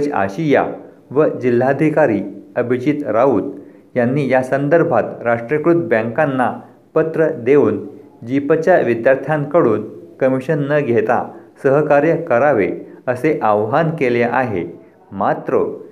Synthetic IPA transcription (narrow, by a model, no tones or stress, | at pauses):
d͡ʑa̰ɕija̰ | ʋəd͡ʑil̤ːad̪ʱikaɾiːəbʱit͡ɕit̪ɾauːd̪ | janːiːjasənd̪əɾbʱat̪ɾaʂʈɾəkɾut̪bə̃ŋkanːa | pət̪ɾəd̪euːn | d͡ʑipət͡ɕjaʋid̪jaɾt̪ʰjãŋkəɽuːnkəmiɕənːəɡʱet̪a̰səɦəkaɾjəkəɾaʋeəseʔaʋɦankeleʔaɦḛ | mat̪ɾə